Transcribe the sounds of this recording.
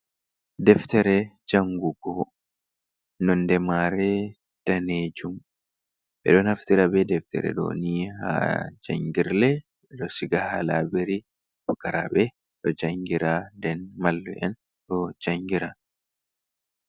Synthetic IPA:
d̪ɛft̪ɛɾɛd͡ʒɐŋɡʊɡo | nɔnd̪ɛmaːɾe | d̪̥ɐneːd͡ʒʊm | ʔɛ̰ᶑonɐft̪ɪɾɐbɛːd̪ɛft̪ɛ̰ɾɛ̰do̰ːniːha̰d͡ʒɐ̰ŋɡɪɾlɛ | ɛᶑɔsɪɡɐhalaːbɛɾi | bkɐɾa̰ːbɛ | ᶑɔd͡ʒɐŋɡɪɾaːd̪ɛnmɐlːɛ̰ʔɐn | ᶑɔd͡ʒɐŋɡɪɾa

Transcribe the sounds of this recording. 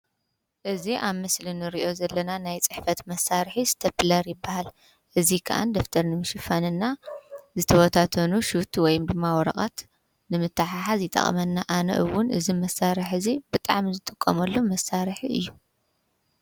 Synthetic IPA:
ʔɨziʔaβmɨslinɨɾiʔo̞zɐlːɐnanajt͡sʼɨħfɐt̪mɐsːaɾħisɨ̥t̪ʰɐplɐɾjɪbːahal | ʔɨzikʰɐ̰ʔa̰nd̪oft̪ʰɐɾnɨmɨʃɪfanɨnːazɨt̪ʰɐwɐt̪ʰat̪ʰɐnuʃut̪ʰwɔjumd̪ɨmːawɔɾɐ̰qʼa̰t̪ | nɨmɨt̪ʰːaħaħazjɪt̪ʼɐ̰χʼɐ̰mɐnːaʔanɐ̰ʔɨwʊnʔɨ̰zimɐsaɾɨħɨzibɨt̪ʼa̰ʕmizɨt̪ʼɨkʼːɐmɐlːomɐsaɾħiɨ̰jːu

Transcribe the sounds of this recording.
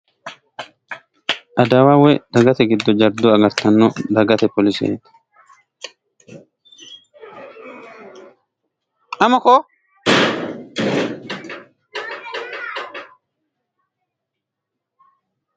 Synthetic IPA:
ʔɐd̪aːwaːwɛd̪̥ɐɡɐt̪ɛɡɪd̪ːɔd͡ʒɐɾd̪ɔɐɡɐɾt̪ɐnːɔd̪ɐɡɐt̪ɛpɔlɪsɛ̰et̪ɐ̥ | ɐmɐkɔ

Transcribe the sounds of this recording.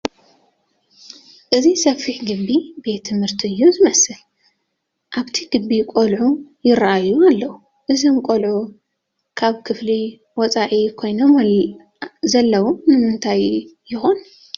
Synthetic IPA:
ʔɨzisɐfiħɡɨbːibe̞t̪ʰːɨmhɨɾt̪ʰiɨjːuzɨmɐsɨl | ʔaβt̪ʰiɡɨbːikʼolʕujɪɾaʔajːualːɐwu | ʔɨzimkʼolʕu | kʰaβkʰɨfli | wɔt͡sʼaʕikʰo̞jnom | zɐlːɐwomnɨmɨnt̪ʰajː | ɪxon

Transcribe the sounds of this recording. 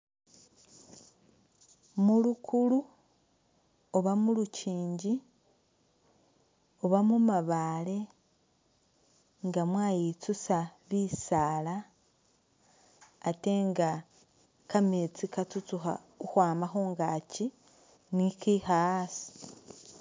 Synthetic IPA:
mulukʰulu | oβamuluciːɲɟi | oβamumaβale̞ | ŋɡamwaːjit͡susaβisaːla | te̞ŋɡa | kamet͡sikat͡sut͡suxa̰ | uxwaːmaxoːŋɡaci | nikixasi̥

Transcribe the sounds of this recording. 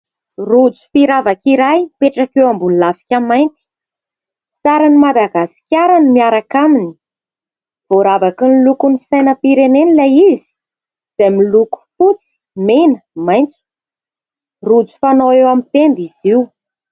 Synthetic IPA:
rud͡zu̥fiɾavakiɾajpeʈ͡ʂakewambunilafi̥kʲamajnt̪i̥ | t͡saɾanimad̪aɡasi̥kʲjaɾanimiaɾakamini̥ | v̥oɾavakinilukunisajnəpiɾenenilajizi̥ | z̥ajmiluku̥fut͡si̥ | menəmajnt͡su̥ | rud͡zu̥fanoewamit̪end̪iz̥iw

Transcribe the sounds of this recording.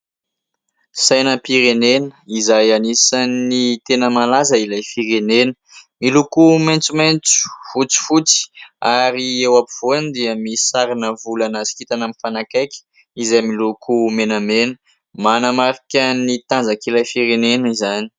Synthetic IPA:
sajnəpiɾenenəizajanisanit̪enəmalazəilajfiɾenenə̥milukumant͡sumajnt͡su̥fut͡si̥fut͡si̥aɾiewapuv̥oanid̪iəmisaɾinəvulanazi̥kit̪anamifanakajkʲə̥ | izajmilukʰumenəmenə | manəmaɾikʲənit̪and͡zakilajfiɾenenizani̥

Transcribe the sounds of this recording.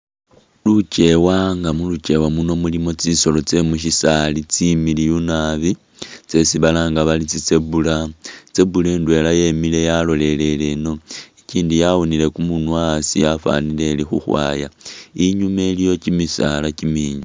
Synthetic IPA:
lut͡ʃe̞waŋɡamulut͡ʃe̞wamuno̞mulimo̞t͡siso̞lo̞t͡se̞muʃ̬isalit͡similijunaβi | t͡se̞siβalaːŋɡaβalit͡sit͡se̞bulat͡se̞buleːndwe̞laje̞mile̞jalo̞le̞l̞le̞no̞eciːndijaβonile̞kumunwasijafa̰nile̞ːlixṵxwa̰ːjaiɲume̞lijo̞t͡ʃimisa̰lacimiːɲa

